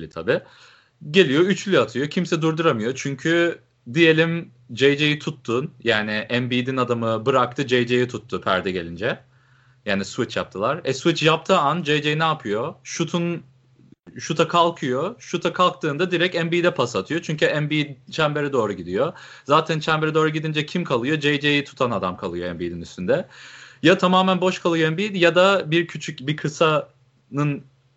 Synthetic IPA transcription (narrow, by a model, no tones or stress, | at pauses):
it̪ʰabi | ɟe̞lʲijo̞yt͡ʃlʲyat̪ʰɯjo̞cʰimsɛd̪uɾd̪uɾamɯjo̞t͡ʃʰyɲcʰy | d̪ije̞lʲim | d͡ʒejd͡ʒejit̪ʰut̪ːuːnjaːnɪʔɛmbiːd̪inad̪amɯbɯɾak̚t̪ʰɯd͡ʒejd͡ʒejit̪ʰut̪ʰːupʰæ̰ɾd̪ɛɟe̞̰lʲind͡ʒɛ | jaːnisvit͡ʃja̰p̚t̪ʰɯlˠaɾɛsvit͡ʃjap̚t̪ʰɯːand͡ʒejd͡ʒejinaːpʰɯjoʃut̪ʰun | ʃut̪ʰakʰalˠkʰɯjoʃut̪ʰakʰalˠk̚t̪ʰɯːnd̪ad̪iɾɛcɛmbiːd̪ɛpʰasat̪ʰɯjo̞t͡ʃʰyɲcyɛnbit͡ʃʰæmbeɾɛd̪o̞ːɾuɟid̪ijozaːt̪ʰænt͡ʃʰæmbeɾɛd̪o̞ːɾuɟid̪ind͡ʒɛcʰimkʰalˠɯjo̞d͡ʒejd͡ʒejit̪ʰu̥t̪ʰanad̪amkʰalˠɯjoɛmbiːd̪inyst̪ynd̪ɛjat̪ʰamaːmænbo̞ʃkʰalˠɯjoɛnbiːd̪jad̪abiɾcʰyt͡ʃʰycbikʰɯsa | nɯn